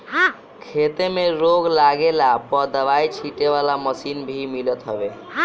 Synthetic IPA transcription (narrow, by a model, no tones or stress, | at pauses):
kʰet̪emeɾoɡlaɡelapəd̪əʋait͡ʃʰiʈeʋalaməsinbʱimilət̪ɦəbe